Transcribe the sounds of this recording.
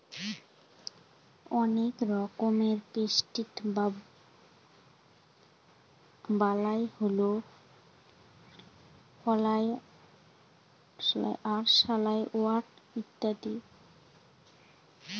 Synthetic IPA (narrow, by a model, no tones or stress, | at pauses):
ɔnekɾɔkomeɾpesʈit | balajholo | pɔlaj | aɾʃalajʔoaɾʈit̪ːad̪i